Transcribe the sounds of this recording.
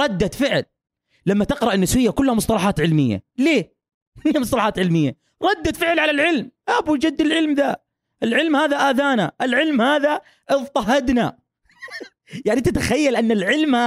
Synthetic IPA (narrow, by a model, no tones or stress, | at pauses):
ɾˤɑd̪ːat̪fɪʕl | lamːat̪ɪqɾɑʔɪnːɪswɪjːakʊlːhamʊsˤt̪ˤɑlɑħaːt̪ʕɪlmɪjːa̰leː | ɪnmʊsˤt̪ɑlɑħaːt̪ʕɪlmɪjːa | ɾˤɑd̪ːat̪fɪʕlʕalalʕɪlmʔabud͡ʒad̪ːɪlʕɪlmða | ʔɪlʕɪlmhaːðaʔaːðaːnaʔɪlʕɪlmhaːða | ʔɪðt̪ˤɑɦad̪na̰ | jaʕnit̪at̪axajːalʔanːɪlʕɪlma